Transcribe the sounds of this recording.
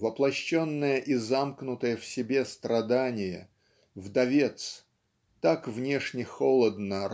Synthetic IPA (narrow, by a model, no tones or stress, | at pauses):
vəplˠɐɕːonːəjəʔɪzamknʊt̪əjəfsʲɪbʲe̞st̪ɾɐd̪anʲɪjə̰ | vd̪ɐvʲe̞t̪s | t̪akvnʲeʂnʲɪxolˠəd̪nə